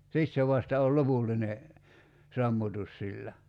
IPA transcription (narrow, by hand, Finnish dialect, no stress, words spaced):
sit se ʋɑstɑ ol lopulːine sɑmːutus silːæ